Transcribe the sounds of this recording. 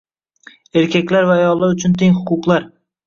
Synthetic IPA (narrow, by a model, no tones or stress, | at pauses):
e̞ɾkʲʰakʲlaɾvaːjɒlˠːaɾʊt͡ʃʰʊnt̪ʰeŋhʊqʰʊqlˠaɾ